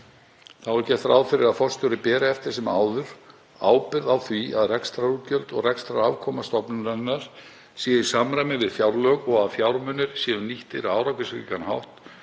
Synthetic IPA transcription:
θaɾcɛt̪fɾa̰wðfɪɾɪɾaðfɔst̪ʏɾɪpɛːɾaɛft̪ɪɾ̥s̬ɛmaːwðʏɾ̥ | a̰ːwpɪɾðawθvia̰ðrɛkst̪ɾaɾucœlt̪ɔɣrɛkst̪ɾaavkʰɔːmast̪ɔpnʏnanːaɾ̥ | sjɛːjɪ̥samɾajmɪvɪðfjawɾlœkɔɣaðfjawɾmœnʏɾ̥sjɛnʏniht̪ɪɾaːwɾawkɪsɾḭːkanhawht̪

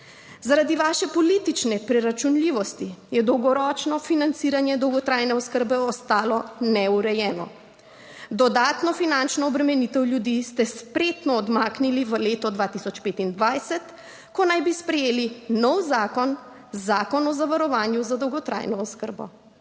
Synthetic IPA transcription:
zaɾad̪iʋaːʃɛpɔliːt̪it͡ʃnɛpɾɛɾat͡ʃunliːʋɔst̪ijɛd̪ɔwɡɔɾɔt͡ʃnɔfinant̪siːɾanjɛd̪ɔwɡɔt̪ɾajnɛɔskəɾbɛɔst̪aːlɔnɛuɾɛjɛːnɔ̰ | d̪ɔd̪aːt̪nɔfinant͡ʃnɔɔbɾɛmɛniːt̪ɛwljud̪ist̪ɛspɾet̪nɔːd̪maːkniliʋəleːt̪ɔd̪ʋat̪isɔt͡ʃpeːt̪ind̪ʋajsɛt̪ | kɔnajbispɾɛjeːlinɔwzaːkɔn | zaːkɔnɔzaʋaɾɔʋaːnjuzad̪ɔwɡɔt̪ɾa̰jnɔɔskəɾbɔ̰

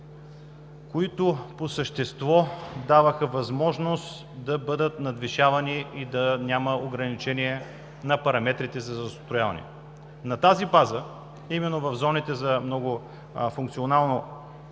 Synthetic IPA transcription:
koit̪ʊposəʃt̪ɛst̪vɔd̪avəxəvɐzmɔʒnost̪ | d̪ɐbɤd̪ət̪nɐd̪viʃavɐniid̪ɐnʲaməoɡɾɐnit͡ʃɛniɛ | nɐpɐɾɐmɛt̪ɾit̪ɛzɐzɐst̪ojavɐ̰nɛ̰ | nɐt̪azibazə | imɛnːovɐvzɔnit̪ɛzɐmnɔɡʊ | fʊ̃ŋk̚t̪sionalˠno

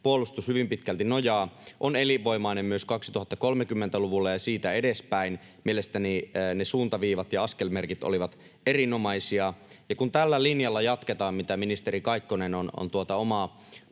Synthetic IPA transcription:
puolːˑust̪ushyʋimpit̪kælt̪inojɑːʔoneliʋo̞imɑinemmyøskɑksi̥t̪uhɑt̪ːɑkolmekymːent̪æluʋulːɑjɑsiːt̪æedespæin | mielest̪æninesuːnt̪ɑʋiːʋɑt̪jɑɑskelmerkit̪o̰liʋɑt̪ | erinomɑisiɑjɑkunt̪ælːælinjɑlːɑjɑt̪ket̪ɑːmmit̪æminist̪eɾikɑikːonenono̰nt̪uot̪ɑomɑ

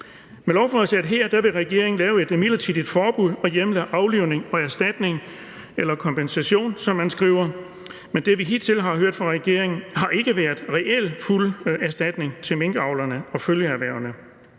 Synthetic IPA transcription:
melɒʊfɒðsææd̥ɦe̝ɐ̰d̥æʋe̝ʁɛɡ̥e̝ɐe̝ŋn̩lɛːʊe̝d̥miðlɐt͡sʰiːð̥ˠid̥fɒːb̥uð̰ˠɒ̽jeməlæʔɑ̈ʊliʊne̝ŋɒ̽æɐsd̥æd̥ne̝ŋ | elɐkʰɒ̽mpʰensæɕo̝̰ːnsɒ̽mːænsɡ̥ʁḭːʊɐ | mend̥e̝ʋiɦit͡sʰe̝lɦɑ̈ɦøɐ̰d̥fʁɑ̈ʁɛɡ̥e̝̰ɐ̰e̝ŋn̩ɦɑ̈ʔe̝ɡ̥əʋæɐðˠʁɛʔel̰fulæɐsd̥æd̥ne̝ŋt͡sʰe̝meŋɡ̥əɑ̈ʊlɐnəɒ̽føljəæʋæɐʊɐnə

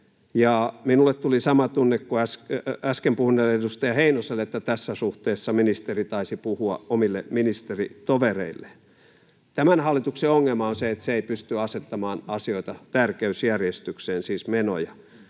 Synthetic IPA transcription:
jɑminulːˑet̪t̪ulisɑmɑt̪unːekkuæskæskempuhneledust̪ɑjɑheinoselet̪ːæt̪æsːæsuht̪eːsːɑminist̪erit̪ɑisipuhuɑ̰omilːḛminist̪erḭt̪oʋerḛilːe | t̪æmænhɑlːˑit̪ukseoŋːelmɑonseet̪seeipyst̪yɑset̪ːɑmɑːnɑsioit̪ɑt̪ærkeysjærjest̪ykseːnsiːsmeno̰jɑ

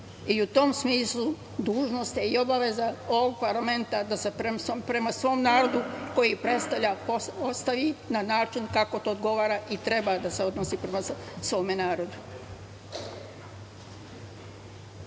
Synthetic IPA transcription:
iut̪o̞msmiːslˠu | d̪uːʒno̞st̪eio̞baʋe̞zao̞ʋoɡ̚paɾlˠame̞nt̪ad̪aseepɾe̞masʋo̞ːmnaːɾo̞d̪uko̞jipɾe̞t̪st̪aʋʎʲapoost̪aʋinanaːt͡ʃinkako̞t̪o̞ːd̪ɡo̞ʋaːɾaʔit̪ɾe̞bad̪ase̞o̞d̪nosiːpɾe̞masʋo̞ːme̞naːɾo̞d̪u

